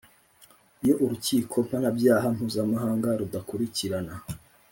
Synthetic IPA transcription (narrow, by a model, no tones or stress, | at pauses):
ijo̞ʔuɾuciːkʰo̞m̥hanabjaːɦam̥uːzamaɦaːŋɡaɾudakuɾiciɾana